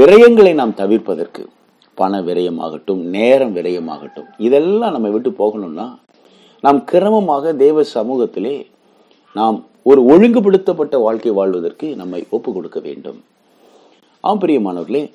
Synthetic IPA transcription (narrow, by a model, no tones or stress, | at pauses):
ʋɪɾɐjɐŋɡɐɭɐɪnaːmt̪ɐʋɪɾpɐðɐrkɯ̰ | pɐɳɐʋɪɾɐjɐma̰ːɣɐʈːɯmneːɾɐmʋɪrɐjɐma̰ːɣɐ̰ʈːɯmɪðɛlːãːnɐmːɐɪʋɪʈːɯpoːɣɐɳɯmnaː | naːmkʰɪɾɐmɐmaːɣɐd̪eːʋɐsɐmuːɣɐt̪ːɪleː | naːm | ɔɾɯɔɻɯŋɡɯp̬ɪɽɯt̪ːɐpːɐʈːɐʋaːɻkɐɪʋaːɭʋɐðɐrkɯnɐmːɐɪʔoːpːɯkɔɽɯkːɐʋḛːɳɖɯ̰m | ʔa̰ːɐmpɪɾɪjɐmaːnɐʋɐɾɣɐleː